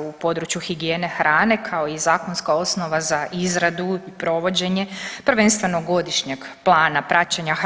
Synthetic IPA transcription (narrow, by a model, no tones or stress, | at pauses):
upo̞d̪ɾut͡ɕjuxiɡije̞ːne̞xɾʔaːne̞kʰao̞izaːko̞nskao̞sno̞ʋazaʔizɾad̪uipɾo̞ʋo̞d͡ʑe̞ɲe̞pɾ̩ʋe̞nst̪ʋe̞noɡo̞d̪iʃɲeɡplˠaːnapɾʔat͡ɕeɲax